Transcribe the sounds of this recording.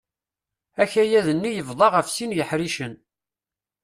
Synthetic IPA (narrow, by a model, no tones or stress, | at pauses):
æçæjæðənːijəvðˤɑʁəfsinjəħɾiʃən